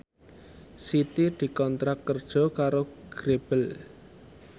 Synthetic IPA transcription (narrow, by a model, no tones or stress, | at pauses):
sit̪id̪̥i̤kɔnt̪ɾakːərd̥ʒ̥ɔ̤kaɾoɡ̥ɾeb̥əl